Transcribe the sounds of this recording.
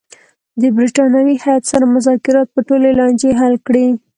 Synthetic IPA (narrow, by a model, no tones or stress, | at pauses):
d̪əbɾiʈɑnjawihajat̪saɾamʊzɑkɪɾɑt̪̚pəʈolelɑnd͡ʒeɦalkɽi